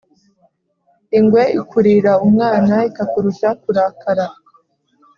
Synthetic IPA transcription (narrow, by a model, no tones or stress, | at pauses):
iŋɡwe̞ikʰuɾiɾaumŋaːnaikakuɾuʃakuɾaːkaɾa